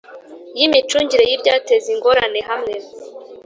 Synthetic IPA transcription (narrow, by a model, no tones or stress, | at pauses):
jimit͡ʃuːɲɟiɾejibɟate̞ziŋɡo̞ɾane̞ɦamŋe̞